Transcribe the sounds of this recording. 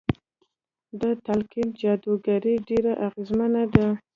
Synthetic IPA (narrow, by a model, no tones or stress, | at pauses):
d̪ət̪alkind͡ʒɑd̪uɡaɾiɖeɾaʔaɣezmanad̪a